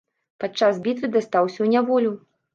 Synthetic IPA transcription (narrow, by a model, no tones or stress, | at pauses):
pat͡ʂazbʲit̪vʲɨd̪ast̪awsʲɐwnʲavɔlʲu